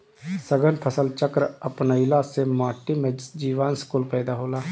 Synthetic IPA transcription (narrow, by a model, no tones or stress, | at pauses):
səɡənpʰəsəlt͡ʃəkɾəpnəɪlaːsemaːʈimẽd͡ʒiːʋaːnskuːlpɛːd̪aɦoːlaː